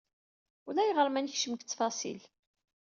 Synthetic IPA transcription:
ulæjʁəɾmænçʃəmkt͡sːfɑsḭl

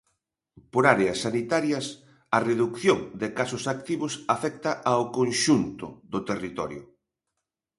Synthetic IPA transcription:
poɾaɾeɐsːanit̪aɾjɐs | ɐreðukθjoŋd̪ɪkasʊsak̚t̪iβʊsafɛk̚t̪ɐʔaokõnʃunt̪ʊ̰ðʊt̪erit̪ɔɾjʊ̰

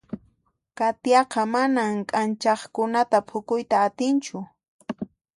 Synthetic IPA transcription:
kat̪jɑqɑmanamkʼant͡ʃɑχkʊnat̪apʰʊkʊjt̪aːt̪ɪnt͡ʃʊ

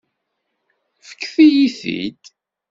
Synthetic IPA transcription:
fə̥kːθijiθḭd̪

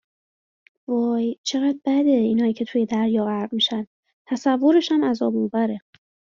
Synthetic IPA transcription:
vojt͡ʃʰe̞ɣæːd̪̚bæd̪e̞iːnhɒːjiːcʰe̞t̪ʰuje̞d̪æɾjɒːɣæɾɢmiːʃænd | t̪ʰæsævːo̞ɾe̞ʃæmæzɒːbubæɾe̞

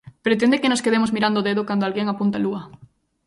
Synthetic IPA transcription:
pɾet̪end̪ekenoskeðemozmiɾand̪oðeðokand̪oalɣeŋapunt̪aluɐ

